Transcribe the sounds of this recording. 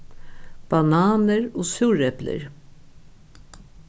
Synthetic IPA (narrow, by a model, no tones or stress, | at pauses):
b̥ɑnɑːnəɾoːsʉːɹɛplə̰ɹ